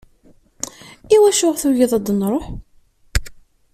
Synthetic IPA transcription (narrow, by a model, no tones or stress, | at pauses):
iwæʃʊʁθʊʝiðˤɑd̪ənɾˤoħ